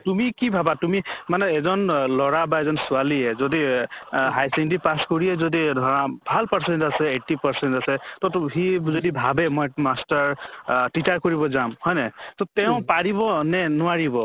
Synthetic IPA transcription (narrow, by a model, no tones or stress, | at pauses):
tumikibʱabat̪umimaneːzɔnlɔɹabaezɔnsuwaliɦezɔd̪i | ɦajsinɖipaskɔɹiezɔd̪ibʱalpɔɹsenʈasɛeʈipɔɹsenʈasɛt̪ɔɦizɔd̪ibʱabemɔjmasʈaɹʈit͡ʃaɹkɔɹibɔzamhɔjnet̪ɔt̪eʊ̃paɾibɔnenɔaɹibɔ